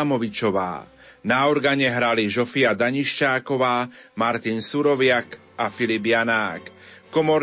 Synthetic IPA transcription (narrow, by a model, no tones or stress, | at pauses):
mɔʋit͡ʃɔʋa̰ː | naɔɾɡaɲɛɦɾaliʒɔfiad̪aɲiʃcaːkɔʋaːmaɾt̪insuɾɔʋɪak | afilibjanaːkːɔmɔɾ